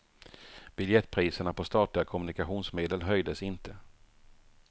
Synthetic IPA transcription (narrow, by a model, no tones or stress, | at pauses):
b̥ʏljɛt̪ːpʰɾiːsəɳapʰɔst̪ɑːt̪lɪɡakʰɔmɵnɪkaɧuːnsmeːd̪əlɦœjd̪əsɪnt̪ʰə